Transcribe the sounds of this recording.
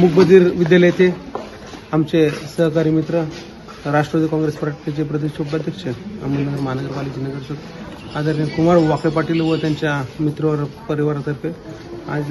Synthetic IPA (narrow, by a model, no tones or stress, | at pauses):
muk̚bəd̪iɾʋid̪jaləjt̪ʰe | amt͡ɕesəɦkaɾimit̪ɾə | ɾaʂʈɾəʋad̪ikɔ̃ŋɡɾespɾaʈkit͡ɕepɾəd̪iɕopb̪ad̪ʱjəkt͡ɕʰəa̰mənəɡəɾməɦanəɡəɾpalid͡ʑinəɡəɾt̪ot̪ | ad̪aɾikumaɽʋakepaʈilʋət̪jaɲt͡ɕjamit̪ɾəʋəɾpəɾiʋaɾat̪əɾfe | a̰d͡z